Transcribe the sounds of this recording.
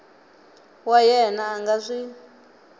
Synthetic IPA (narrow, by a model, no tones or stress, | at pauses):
wajɛnaːŋɡaʂi